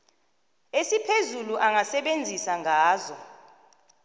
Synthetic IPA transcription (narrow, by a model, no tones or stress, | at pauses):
esipʰezuluʔaŋʱasɛɓend͡zʱisaŋʱaːzɔ